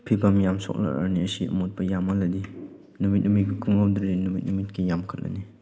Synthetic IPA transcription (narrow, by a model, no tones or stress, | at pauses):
pʰibamjamsɔ̰k̚la̰a̰ɾniəsiɐ̰mot̚bɐjamɐladi | numit̚numit̚bikʰumɡawdɾinumit̚numit̚kʰijamkʰat̚la̰ni